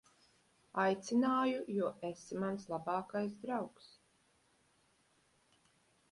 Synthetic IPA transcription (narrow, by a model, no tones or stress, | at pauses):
ajt̪sinaːjujuɔʔesimanslˠabɑːkajsd̪ɾawks